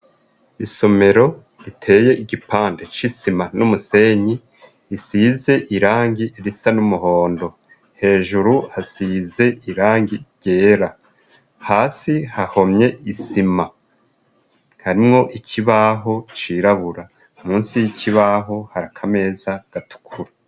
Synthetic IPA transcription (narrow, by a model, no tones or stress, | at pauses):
iso̞me̞ɾo̞ | ɾitʰe̞ːje̞ʔiɡipaːnde̞t͡ʃisimanumuse̞ɲiː | size̞ʔiɾaːŋɡiʔiɾisanumuɦo̞ːndo̞ | he̞ːʒuɾuhasize̞iɾaːŋɡiɟ̥e̞ːɾa | haːsihaho̞mɲe̞isima | haɾimŋo̞ʔicʰiβaɦo̞t͡ʃiɾaβuɾa | umuːnsijiciβaɦo̞haɾakʰame̞ːzaɡ̥atu̥kʰuɾa